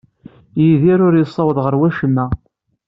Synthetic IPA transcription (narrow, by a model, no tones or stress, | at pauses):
jiðiɾʊɾjəsˤːɑwəðʁəɾwæʃəmːæ